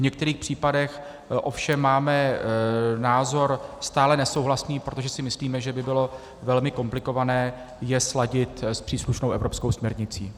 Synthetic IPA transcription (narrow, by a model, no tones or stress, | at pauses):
vɲɛk̚t̪ɛɾiːxpr̝̥iːpadɛx | ʔo̞fʃɛmːaːmɛ | naːzo̞ɾst̪aːlɛnɛso̞wɦlasniːpɾot̪oʒɛsɪmɪsliːmɛʒɛbɪbɪlo̞ | vɛlmɪko̞mplɪko̞vanɛː | jɛslaɟɪt̪spr̝̥iːsluʃnowʔɛ̰vɾo̞pskowsmɲɛɾɲɪt͡siː